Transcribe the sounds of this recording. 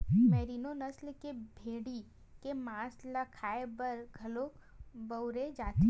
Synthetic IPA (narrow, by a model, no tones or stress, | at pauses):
mɛːɾiːnonɐslkebʱeːɽi | kemãːslɐkʰaːebɐɾɡʱɐlobɐwɾed͡ʒaːt̪e